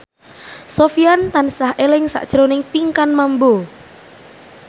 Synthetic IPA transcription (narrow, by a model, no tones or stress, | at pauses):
sofiant̪ansahelɪŋsa̰ʔd̥ʒ̥əɾonɪŋpiŋkanmambo